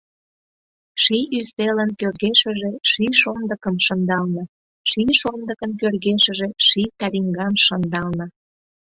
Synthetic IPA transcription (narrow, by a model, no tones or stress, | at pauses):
ʃiʔyst̪elənkørɣeʃə̆ʒeʃiʃond̪əkəmʃənd̪ɑlnə | ʃiʃond̪əkənkørɣeʃə̆ʒeʃit̪ɑɾiŋɡɑnʃənd̪ɑlnə